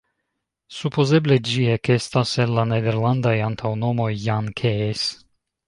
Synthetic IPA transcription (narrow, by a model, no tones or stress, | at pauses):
supoze̞ble̞d͡ʒiekest̪asenlaned̪e̞ɾland̪ajant̪ʰawno̞mo̞jːankʰees